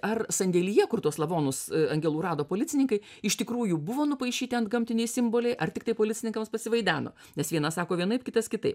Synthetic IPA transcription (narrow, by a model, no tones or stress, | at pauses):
ɐrsɐnʲd̪ʲɛːlʲiːjɛkʊrt̪uɔslˠɐʋoːnʊsɐŋʲɡʲɛlˠuːɾɑːd̪oːpoːlʲɪt̪t͡sʲɪnʲɪŋkɐɪ | ɪʃt̪ʲɪkɾuːjubʊʋoːnʊpɐɪʃʲiːt̪ʲɪɐnt̪̚ɡɐmʲt̪ʲɪnʲɛɪsʲɪmboːlʲɛɪʔɐrt̪ʲɪkt̪ɐɪpoːlʲɪt̪t͡sʲɪnʲɪŋkɐmspɐsʲɪʋɐɪd̪ʲæːno̰ː | nʲɛsʋʲiɛnɐsɑːkoːʋʲiɛnɐɪpkʲɪt̪ɐskʲɪt̪ɐɪp